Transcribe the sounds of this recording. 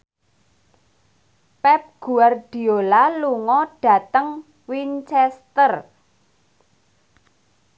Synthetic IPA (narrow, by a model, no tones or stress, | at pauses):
pɛp̚ɡ̥uard̥i̤olaluŋɔɖ̥ä̤t̪əŋ | wint͡ʃɛst̪ər